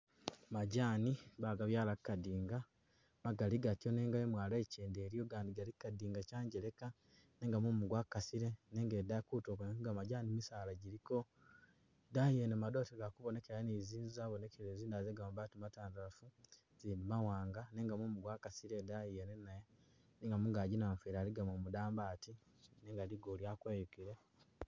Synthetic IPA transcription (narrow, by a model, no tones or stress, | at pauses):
maɟaːniβaɡaβjaːlakkadiːŋɡa | maɡaliɡatjoneːŋɡaemwaːleːceːndeːɾijoɡaːndiɡalikkadiːŋɡacaːɲɟele̞ka | ne̞ːŋɡamumuɡwakasiɾene̞ːŋɡeːdakuːtoːkonekoɡamaɟaːnimisaːlaɟiɾiko̞ | daienemadoːteɡakuβone̞ke̞ɾaneziːnzzaːβone̞keɾeziːndazeɡamumbatimataːndalafu | z̥iːndimawaːŋɡane̞ːŋɡamumuɡwakasiɾedaienenaje | neːŋɡamuŋɡaɟinaːɱfiɾaːliɡamomudaːmbaːti | neŋɡaliɡoljakweːjukiɾe